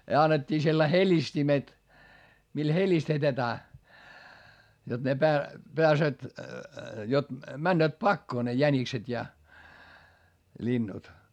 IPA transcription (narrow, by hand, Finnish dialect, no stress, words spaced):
jɑ ɑnːetʲːiː selːɑi helʲistimet mil helistetetæː jot ne pæː peæsøːt jot mænːøːt pɑkːoː ne jænikset jɑ lʲinːut